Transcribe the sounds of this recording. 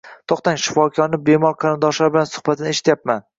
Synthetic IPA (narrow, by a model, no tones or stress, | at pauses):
t̪ʰɒqt̪aŋʃɪ̥fɒkʰɒɾnɪbe̞mɒɾˠqʰɑɾɪnd̪ɒʃlaɾbɪlansʊ̥χbat̪ʰɪneʃɪ̥t̪jap̚man